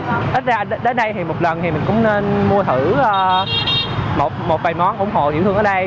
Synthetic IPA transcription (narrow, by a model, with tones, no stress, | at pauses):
ʔ̪ə˦˥t̚zaː˧˨˩ɗe˨˦ɗe˨˦nɗə˧jt̪ʰi˨˩mo˨˩t̚lə˨˩nt̪ʰi˨˩mï˨˩ŋ̟kʊ̰˧˥wŋ͡mne˧nmu˧ət̪ʰɨ˧˩əː˧ | mo˨˩t̚mo˨˩t̚vaː˨˩jmɔ˨˦nʔʊ˧˩wŋ͡mɦo̰˧˨ʔzḭ˧˥t̪ʰɨ˧əŋəː˨˩˦ɗə˧j